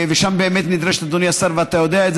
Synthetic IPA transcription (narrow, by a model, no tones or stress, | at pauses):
veʃambeːmet̪nid̪ɾeʃt̪ad̪onjasaɾveat̪ajo̞d̪eaetz